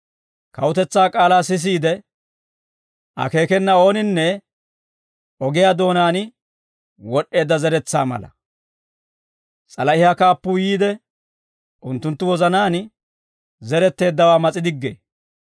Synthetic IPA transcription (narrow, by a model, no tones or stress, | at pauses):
kɐwʊt̪ɛt͡sːaːkʼaːlaːsɪs̬iːd̪ɛ | ʔɐ̰ke̞ːkɛnːɐo̞ːnɪnːɛ | ɔɡɪjaːd̪o̞ːnaːn | wɔɗːe̞ːd̪ːɐzɛɾɛt͡sːaːmɐ̰lɐ̰ | t͡sʼɐlɐɪhakaːpːʊːjiːd̪ɛ | ʔʊnt̪ːʊnt̪ːʊwɔzɐnaːn | zɛɾɛt̪ːe̞ːd̪ːɐwaːmɐt͡sʼɪd̪ɪɡːḛː